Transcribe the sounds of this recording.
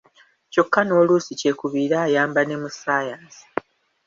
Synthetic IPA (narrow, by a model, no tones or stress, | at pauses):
co̞kːano̞ːluːsice̞ːkuβiːɾaːjaːmbane̞musaːjaːnsi̥